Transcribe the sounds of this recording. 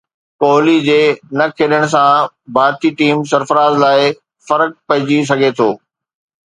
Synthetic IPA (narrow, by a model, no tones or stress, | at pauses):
koːɦlid͡ʑeːnɐkʰeːɗəɽ̃ʊ̆s̬ã | bʱaːɾt̪iʈiːmsɐɾfəɾaːzlaːɪ | fɐɾək̚pɐɦɪ̃d͡ʑis̬ɐɡʱet̪ʰoː